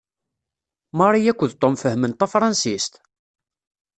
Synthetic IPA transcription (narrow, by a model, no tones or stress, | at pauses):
mɑrˤijækʷːəðt̪ˤːomfəhmənt̪ɑfɾˤɑnsist̪